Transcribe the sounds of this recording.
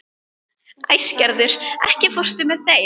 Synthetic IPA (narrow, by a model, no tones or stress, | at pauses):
ajscɛɾðʏɾ̥ɛhcɪfɔr̥st̪ʏmɛðθe